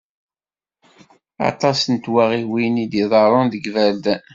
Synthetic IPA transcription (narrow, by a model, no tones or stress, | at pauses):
ɑ̰t̪ˤɑsənt̪waʁiwinid̪iðˤɑɾˤonðəɡvæld̪